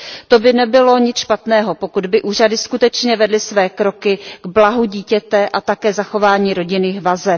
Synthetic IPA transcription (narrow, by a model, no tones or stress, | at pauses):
t̪o̞bɪnɛbɪlo̞ɲɪt͡sʃpat̪nɛːɦo̞po̞kud̪bɪʔuːradɪskut̪ɛt͡ʃɲɛvɛdlɪsvɛːkɾo̞kɪɡ̥blaɦuɟiːcɛt̪ɛʔat̪akɛːzaxo̞vaːɲiːɾo̞ɟɪnɪːxvazɛ